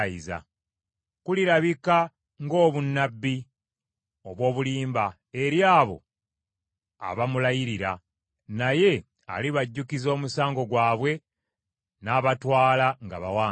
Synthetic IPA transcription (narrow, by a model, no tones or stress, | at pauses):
iza̰ | kuliɾaβika | ŋɡo̞ːβunːabːi | o̞βwo̞ːβuliːmba | e̞ɾjaːβo̞̰ | a̰βamulajiɾiɾa | naje̞ | a̰liβaɟːukizo̞ːmusaːŋɡo̞ɡwaːβwe̞ | naːβatwaːlaŋɡa̰βa̰waː